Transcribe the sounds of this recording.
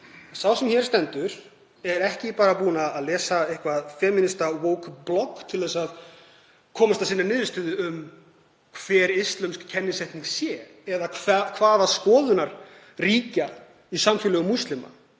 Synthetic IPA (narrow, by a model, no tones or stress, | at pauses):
sawsɛmçɛɾ̥st̪ɛnt̪ʏɾ̥ | ɛɾɛhcɪpaːɾapuːnaːðlɛːsaehkvaðfɛːmɪnɪst̪awoːwkblɔkt̪ʰɪlðɛs̬að | kʰɔːmast̪asinːanɪːðʏst̪ʏːðʏʏm | kʰvɛːɾɪst̪lɛmskcʰːɛnːɪsajht̪niŋsjɛ | ɛðavakʰvaːðaskɔːðʏnaɾ̥ | riːca | isamfɪlɛɣʏmust̪lɪma̰